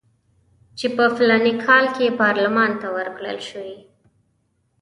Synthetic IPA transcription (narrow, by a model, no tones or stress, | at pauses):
t͡ʃepəflɑnikʰɑlkepɑɾlamɑnt̪awəɾkɽə̰lʃəwi